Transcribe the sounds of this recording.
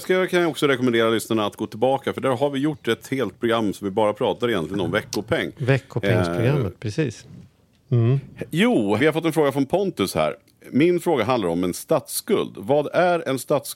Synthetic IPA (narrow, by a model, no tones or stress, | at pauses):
skakʰanjaɔksɔɾɛkɔmɛnd̪eːɾalʏsnaɳaːt̪ɡoːt̪ʰɪlbɑːkafœɖæːɾɦaɾvɪjʊʈːɛt̪heːlt̪̚pʰɾʊɡɾamːsɔmvɪbɑːɾapʰɾɑːt̪aɾɪjɛnlɪɡənɔmvɛkːʊpʰɛŋːvɛkːʊɛɾɡɾamːət̪pʰɾɛsiːs | juːvɪhaɾfɔt̪ːɛnfɾoːɡafɾɔnpʰɔnt̪ɵshæ̰ːɾ | mɪnfɾoːɡaɦand̪laɾɔmɛnst̪at̪skɵ̰ld̪vɑːd̪æɾɛnst̪at̪s